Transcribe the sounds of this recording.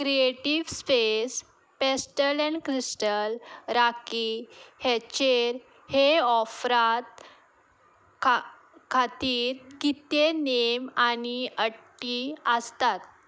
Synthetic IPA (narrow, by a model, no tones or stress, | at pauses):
kɾieʈiʋspes | pesʈəlɛɳkɾisʈəlɾakihet͡ɕeɾ | heɔfɾat̪̚ | kʰat̪iːɾɡit̪ːenemaniəʈːiəst̪at̪̚